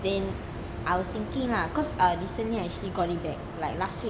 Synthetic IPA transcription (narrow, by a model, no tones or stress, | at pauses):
dɛ̃n | ʔajwɔst̪ĩŋkĩŋlakɔsaɹisə̃nliaɛk̚t͡ʃuəliɡɔʔ̚it̚bɛk̚lajk̚laswi